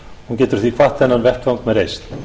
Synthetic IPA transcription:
huncɛːt̪ʏɾ̥θvikʰvaht̪ʰɛnːanvɛhkawŋkmɛðɾejst̪

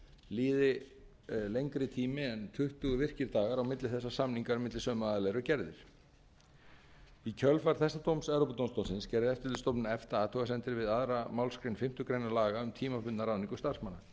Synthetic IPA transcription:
liːðɪ | lejŋkɾɪt̪ʰiːmɪɛnt̪ʰʏht̪uɣʏvɪr̥cɪɾt̪aːɣaɾawmɪt̪lɪθɛsːasamniŋkaɾʏmɪt̪lɪsœːmaðalɛɾʏcɛɾðɪɾ̥ | icʰœlfaɾ̥θɛsːat̪ʰowmsɛvɾowpʏt̪ownst̪ownsɪnscɛɾðɪɛft̪ɪlt̪ʏst̪owpnʏɛft̪aaːt̪ʰuɣasɛnt̪ɪɾvɪðaðɾamaːwlskɾejnfɪm̥t̪ʏkɾeːjnalaːɣaʏmt̪ʰiːmapʏnt̪naɾawniŋkʏst̪ar̥smanːa

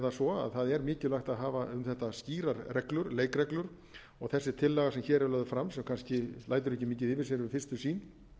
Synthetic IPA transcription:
t̪asɔa̰ðθaðɛɾmɪːcɪlajxt̪aðɦaːvaʏmθɛht̪asciːɾaɾrɛklʏɾleːjkɾɛklʏɾ̥ | ɔɣθɛsːɪt̪ʰɪlːɛɣasɛmçɛːɾɛɾlœːðʏfɾamsɛmkʰanscɪlaːjt̪̬ʏɾɛhcːɪmiːcɪðɪvɪɾsɪɾvɪfɪrst̪ʏsiːn

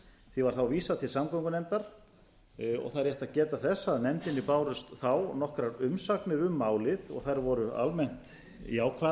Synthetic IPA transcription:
θivaɾ̥θawviːsat̪ʰɪlsamkɔwŋkʏnɛmt̪aɾ̥ | ɔ̰ɣθaɾjɛht̪aðcɛːt̪aθɛsːaðnɛmt̪ɪnːɪpaːwɾʏst̪θawnɔhkɾaɾʏmsaknɪðʏmːaːwlɪðɔ̰ɣθajɾvɔɾʏa̰lmɛn̥t̪ | jaːwkʰva

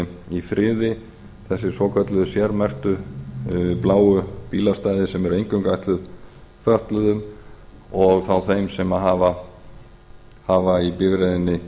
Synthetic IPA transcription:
ifɾɪːðɪ | θɛsːɪsɔːkʰœt̪lʏðʏsjɛɾmɛr̥t̪ʏ | plaːwʏpiːlast̪aːjðɪsɛmɛɾejŋkʏŋkajht̪lʏðfœht̪lʏðʏm | ɔɣθawθejmsɛmaɦaːva | haːvaipɪvɾejðɪnːɪ

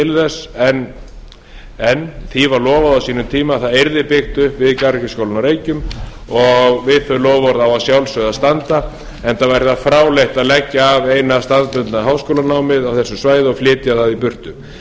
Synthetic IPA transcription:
ɪlðɛsɛn | ɛnθivaɾlɔːvaðawsiːnʏmt̪ʰiːmaθaðejɾðɪpɪxt̪ʏhpvɪðkaɾçɪskowlʏnaɾeːjcʏm | ɔɣvɪðθœjlɔːvɔɾðawasjawlsœðast̪ant̪a | ɛnθavajɾɪθafɾaːwlejht̪aðlɛcːaːvejnast̪anðpʏnt̪naɦawskowlanaːwmɪðawθɛsːʏsvaːjðɪɔɣflɪːt̪ɪjaθaðipʏr̥t̪ʏm

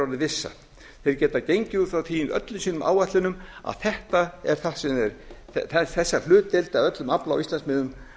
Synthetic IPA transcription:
aðɪvɪsːa̰ | θejɾ̥cɛːt̪acejɲcɪufɾawt̪ʰiːɪnœ̰t̪lʏmsiːnʏmʔa̰ːwvat̪lɪnʏma̰ðθɛht̪aɛɾ̥θasɛmɛɾθɛɛθɛsːal̥ʏːt̪elt̪aðœt̪lʏmapla̰wist̪ɛnsmɪðʏm

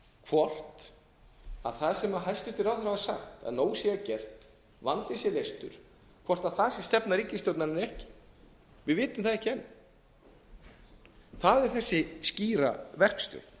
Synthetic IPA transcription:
kʰvɔr̥t̪ | a̰ðθaðsɛmaɦajst̪ʏ̥t̪ɪɾawθɾavasa̰xt̪a̰ðnoːwsjɛacɛr̥t̪ | vant̪ɪsjɛlejst̪ʏɾ̥ | kʰvɔr̥t̪aðθaðsɛ̥st̪ɛpnaɾiːcːɪst̪owt̪nannɛhcɪ̥ | vɪðvɪːt̪ʏmθaðɛhcɪɛnːʏm | θaðɛɾ̥θɛsːɪsciːɾa̰vɛr̥kst̪ʏ̰ːθ

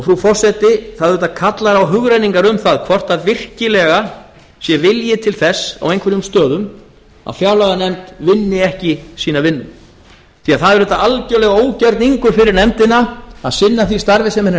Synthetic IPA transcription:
ɔɣfɾufɔr̥sɛt̪ɪθaðɾʏːt̪akʰat̪laɾawɦʏɣɾajniŋkaɾʏmθaðkʰvɔr̥t̪avɪr̥cɪlɛɣa | sjɛvɪljɪt̪ʰɪlθɛsːa̰wejŋkʰvɛɾʏmst̪œːðʏm | a̰ðfjaːwlaɣanɛmt̪vɪnːɪɛhcɪsiːnavɪnːʏm | θiaðθaðɛɾɛːt̪aalcœwlɛɣaoːwcaɾt̪niŋkʏɾfɪɾɪɾnɛmt̪ɪnaaðsɪnːaθvist̪aɾvɪsɛmɛn

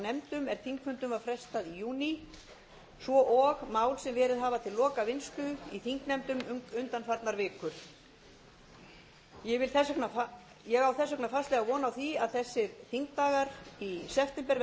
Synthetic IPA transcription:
nɛmt̪ʏmɛɾ̥θʰiŋkfvʏnt̪ʏmvafɾɛst̪aðijuːni | svɔʔɔɣmaːwlsɛmvɛːɾɪðɦaːvat̪ʰɪlːɔːkavɪnst̪ʏiθiŋknɛmt̪ʏmʏnt̪anfaɾt̪naɾvɪːkʏɾ̥ | jɛɣvɪlθɛskna | jɛɣawθɛsœknafast̪lɛɣavɔːnawθiaðθɛsːɪɾθʰiŋk̚t̪aːɣaɾisɛft̪ɛmpɛɾ

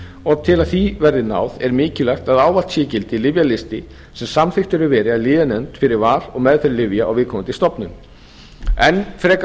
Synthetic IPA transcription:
ɔɣt̪ʰɪlaðθivɛɾðɪna̰ːwðɛɾmɪːcɪlaxt̪aðaːwval̥t̪sjɛːcɪlt̪ɪlɪvjalɪst̪ɪ | sɛmsamθɪxt̪ʏɾʏɾvɛːɾɪaðlɪːðɪnɛnt̪fɪɾɪɾvaːɾ̥ɔɣmɛðfɪɾɪɾlɪvjaa̰wvɪðkʰɔːmʏnt̪ɪst̪ɔpnʏm | ɛnfɾɛːk

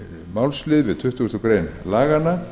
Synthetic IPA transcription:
mawlslɪðvɪðt̪ʰʏht̪ʏhst̪ʏkɾejnlaːɣana

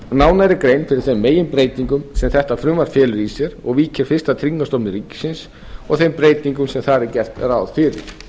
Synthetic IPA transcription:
naːwnajɾɪɾkɾejnfɪɾɪɾ̥θejmːeːjɪnpɾeːjt̪niŋkʏmsɛmθɛht̪afɾʏːmvaɾ̥fjɛːlʏɾisɛɾɔ̰ɣviːcɪɾ̥fɪr̥st̪at̪ʰɾiŋkːast̪ɔpnʏɾiːcɪ̥sɪns | ɔɣθejmpɾeːjt̪niŋkʏmsɛmθaːɾɪɾcɛr̥t̪ɾawðfɪːɾɪ̰ɾ̥

